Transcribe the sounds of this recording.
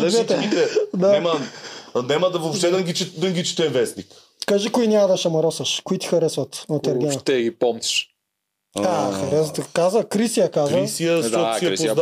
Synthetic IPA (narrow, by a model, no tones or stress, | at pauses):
navɛt̪ɛit̪ɛd̪anɛmɐnɛmɐd̪ɐvoft̪ɛd̪ɐɡʲit͡ʃit̪d̪ɐɡʲit͡ʃi̥t̪ɛnvɛsnik | kaʒikʊinʲamɐd̪ɐʃɐmɐɾɔsɐʃkʊit̪i̥xɐɾɛsvɐt̪nɐt̪ɐɾɡʲɛnʃɐt̪ɛɡipɔmt̪i̥ʃ | axɐɾɛst̪kazɐkɾisijɐkazɐsiɐt̪ɔiɛp̪a